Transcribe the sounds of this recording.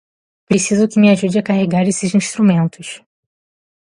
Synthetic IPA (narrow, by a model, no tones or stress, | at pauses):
pɾesizʊkɪmɪaʒud͡ʒɪakaɦeɡaɾesɪzĩʃt̪ɾumẽnt̪ʊʃ